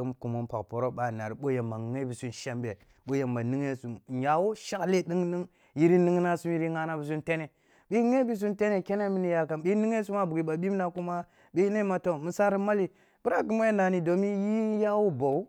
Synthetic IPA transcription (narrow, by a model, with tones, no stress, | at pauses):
m˨˦ku˨mo˦npa̰˨kpo˨ɾo˦ɓa˨na˨ɾi˨˦ɓo˦ja˨ma˨˦e˦bi˨su˦nʃa˦mbe˨ | ɓo˦je˨mba˨ni˦ŋe˦su˨mja˨wo˦ʃa˦kle˦ɗi˦ŋni˦ŋ | ji˦ɾi˦ni˦ŋ˦na˦su˦m˦ji˦ɾi˦ŋa˦na˦bi˨s̬u˦nte˦ne˨ | ɓi˦ŋe˦bi˦s̬u˦nte˦ne˨ke˦ne˦mi˦ni˦ja˨ka˨nɓi˦ni˦ŋe˦s̬u˦ma˦bu˨ɡi˨ɓa˨ɓi˦m˦na˨ku˦ma˦ | ɓi˦ne˦ma˨to˦mi˨sa˦ɾi˦ma˦li˨ | bu˦ɾa˦ɡi˦mo˦e˦na˨ni˨do˨mi˦ji˦ja˦wo˦bo˨u˦